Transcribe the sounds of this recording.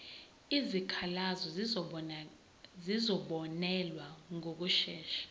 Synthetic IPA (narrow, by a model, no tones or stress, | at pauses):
izikʰalazɔz | zizɔɓɔnɛlwaŋʱok̬uʃɛːʃḁ